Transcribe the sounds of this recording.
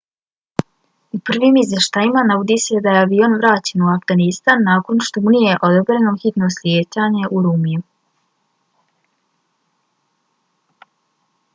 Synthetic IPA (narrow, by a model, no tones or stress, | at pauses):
upr̩ʋimizjeʃt̪aːjimanaʋod̪ise̞d̪ajeaʋio̞nʋɾaːt͡ɕe̞nuafɡanist̪anːaːko̞nʃt̪o̞munije̞ʔo̞d̪obɾe̞no̞xit̪no̞sljeːt͡ɕaɲe̞ʔuɾuːmiju